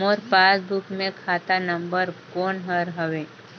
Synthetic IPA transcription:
oɾpaːsd̪uːkʰmẽkʰaːt̪anə̃mbəɾkoːnɦəɾɦəʋeː

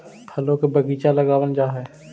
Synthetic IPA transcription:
pʰɐlokebɐɡiːt͡ʃalɐɡaːwənd͡ʒaːɦɛː

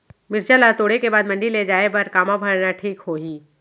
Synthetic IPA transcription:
mɪɾt͡ʃalat̪oːɽekebaːd̪mɐ̃ɳɖiled͡ʒaːebɐɾkaːmabʱəɾnaʈʰiːkɦoːɦiː

